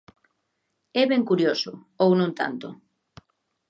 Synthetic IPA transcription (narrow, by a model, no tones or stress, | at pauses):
ɛβɛŋkuɾjosʊ | ownõnt̪a̰nt̪o̰